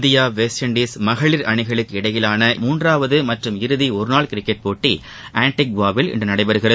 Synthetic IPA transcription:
ðɪjaːʋeːsʈɐɳɖiːsmɐɣɐɭiɾɐɳɪɣɐɭɯkːɯɪɽɐjɪlaːnɐmuːndraːʋɐðɯmɐʈrɯmɪɾɯðiɔɾɯnaːɭkɪɾɪkːɛʈ̚poːʈːi | ʔaːɳʈɪk̚ʋaːʋɪlɪ̰ndrɯnɐɽɐɪpɐɾɯɣɪrɐð

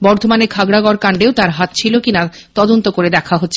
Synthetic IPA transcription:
bɔɾd̪ʱomanekʰaɡɽaɡɔɾkaɳɖeot̪aɾɦat̪̚t͡ɕʰilokina | t̪ɔd̪ont̪okoɾed̪ɛkʰaɦot̪ːɕʰe

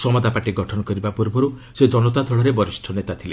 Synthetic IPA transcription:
sɔmɔd̪ʱapaʈiɡɔʈʰɔnɔkɔɾibapuɾbɔɾused͡ʒɔnɔt̪ad̪ʱɔɭɔɾebɔɾisʈʰɔnet̪at̪ʰile

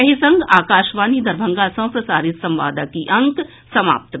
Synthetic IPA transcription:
ɐɦisɐ̃ŋɡaːkaːʃʋaːnid̪ɐɾbʱɐ̃ŋɡaːsɐ̃wpɾɐsaːɾɪt̪sɐ̃mʋa̰ːd̪akiʔɐ̃ŋk | sɐma̰ːp̚t̪

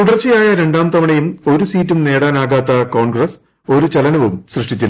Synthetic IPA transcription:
t̪uɽɐrt͡ɕːijaːjɐɾe̞ɳɖaːmt̪ɐmɐɳejumo̞ɾusiːtːumne̞ːɽaːnaːɣaːt̪ːɐko̞ːɳɡrɐs | o̞ɾut͡ɕɐlɐnɐʋumsrɨʂʈit͡ɕːilː

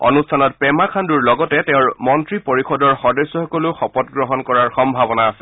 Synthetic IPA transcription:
ɔ̰nustʰanɔtpɛmakʰanduɹlɔɡɔtɛtɛʊ̃ɹmɔntɹipoɹixɔdɔɹxɔdesːɔxɔkɔlʊxɔpɔtɡɹɔɦɔnkɔɹaɹxɔmbʱabɔnaːsɛ̥

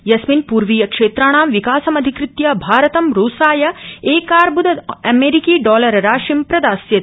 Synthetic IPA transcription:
jɐsminpuːɾʋiːjɐkʂeːt̪ɾaːɳ̃aːmʋikaːsɐmɐd̪ʱikɾɪt̪jabʱaːɾɐt̪ɐmɾoːsaːjɐeːkaːɾbud̪ʱɐd̪ɐmeːɾikiːɖɔːlɐɾɐɾaːʃimpɾɐd̪aːsjɐt̪

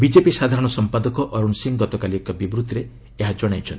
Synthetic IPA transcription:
bid͡ʒepisad̪ʱaɾɔɽ̃ɔsɔmpad̪ɔkɔʔɔɾuɳsiŋɡɔt̪ɔkaliɔkabibɾut̪ɾe | eɦad͡ʒɔɽ̃ajt͡ʃʰɔnt̪i

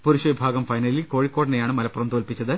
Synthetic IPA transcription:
puɾuɕɐʋibʱaːɡɐmfɐjnɐlilko̞ːɻikːoːɽinejaːɳɨmɐlɐpːurɐmd̪oːlpit͡ɕːɐðɨ

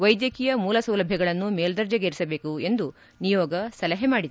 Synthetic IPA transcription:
ʋɐjd̪jɐkiːjɐmuːlɐsɐwlɐbʱjɐɡɐɭɐnːumeːld̪ɐɾd͡ʒɐɡeːɾisɐbe̞ːkue̞nd̪u | nijɔːɡɐsɐlɐɦemaːɽid̪

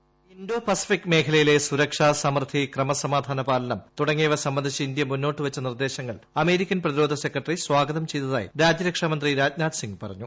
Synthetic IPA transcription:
inɖoːpɐsi̥fikːme̞ːkʰɐlɐjile̞suɾɐkʂaːsɐmrt̪ʰːikrɐmɐsɐmaːd̪ʱaːnɐbaːlɐnɐmt̪uɽɐŋːijɐʋɐsɐmːɐnd̪ʱit͡ɕːɐind̪jɐmunːo̞ːʈːɨʋɐt͡ɕːɐnird̪e̞ːɕɐŋːɐɭ | ɐme̞ːɾikʲːɐnprɐðiɾoːd̪ʱɐse̞krɐʈːɐriswaːɡɐðɐmt͡ɕe̞jt̪ɐða̰ːjḭɾaːd͡ʑjɐɾɐkʂamɐnd̪riɾaːd͡ʑnaːd̪siŋɡpɐrɐ̰ɲːu

